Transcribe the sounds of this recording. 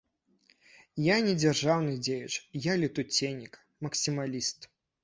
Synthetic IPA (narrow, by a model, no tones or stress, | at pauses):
janʲɛd͡zʲarʐawnɨd͡zʲejɛt͡ʂjalʲit̪ut͡sʲenʲikɐ̥ | mɐksʲimalʲist̪